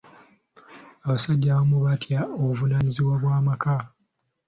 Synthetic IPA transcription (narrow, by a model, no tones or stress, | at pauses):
aβasaɟːaβamuβatjaoβuvunaːniziβwaβwaːmaka